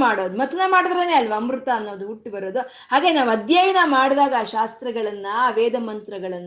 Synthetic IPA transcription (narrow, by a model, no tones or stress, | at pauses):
maːɽoːd̪umɐt̪ɐnɐmaːɽd̪ɾeːne̞ːɐlːiʋɐmɾut̪ɐːnːo̞ːd̪uuʈːibɐɾoːd̪u | ɦaːɡe̞ːnaːʋɐd̪jaːjɐnɐmaːɽd̪aːɡɐaːʃaːst̪ɾɐɡɐɭɐnːɐʋeːd̪ɐmɐnt̪ɾɐɡɐɭɐnː